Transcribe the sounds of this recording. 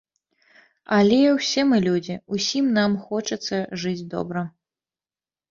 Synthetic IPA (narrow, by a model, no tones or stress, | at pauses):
ɐlʲɛwsʲɛmɨlʲud͡zʲiusʲimnamxɔt͡ʂɐt̪sːɐʐɨd͡zʲd̪ɔ̰bɾɐ